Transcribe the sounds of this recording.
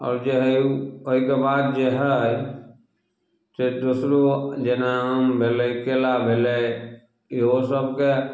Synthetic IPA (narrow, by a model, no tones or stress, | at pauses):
ɔ̰ːɾd͡ʒeɦoɪkebaːd̪̚d͡ʒeɦɛ | t̪ed̪usɾod͡ʒenãmbʱeːlekeːlabʱele | ɪɦosəb̚ke